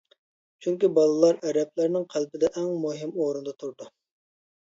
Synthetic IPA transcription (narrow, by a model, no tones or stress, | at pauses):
t͡ʃʰyŋkʲibɑlˠɨlˠɑɾɛɾɛp̚læɾnɪŋqʰælpɪd̪ɛʔɛŋmuɦɪmoɾund̪ɑt̪ʰuɾd̪u